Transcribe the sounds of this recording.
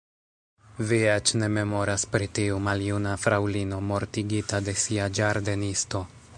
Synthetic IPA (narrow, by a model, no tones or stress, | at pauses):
viet͡ʃne̞me̞mo̞ɾaspɾitiumaljunafɾawlino̞mo̞ɾtiɡitade̞siad͡ʒaɾdenisto̞